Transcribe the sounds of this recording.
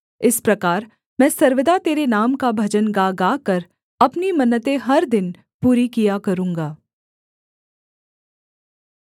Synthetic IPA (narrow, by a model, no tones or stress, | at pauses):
ɪspɾɐkaːɾ | mɛ̃ːsɐɾʋɪd̪at̪eːɾenaːmkabʱɐd͡ʒənɡaːɡaːkɐɾ | ɐpnimɐnːət̪ẽɦɐɾd̪ɪn | puːɾikijakɐɾũːŋɡaː